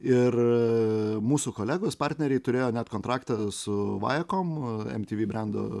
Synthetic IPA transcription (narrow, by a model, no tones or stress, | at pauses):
ɪr | muːsukoːlʲæːɡoːspɑɾʲt̪ʲnʲɛɾʲɛɪt̪ʊɾʲeːjoːnʲæt̪koːnt̪ɾɑːkt̪ɐsʊʋɑ̰ːjɛkoːmɛ̰mʲt̪ʲiːʋʲiːbʲɾʲænd̪o̰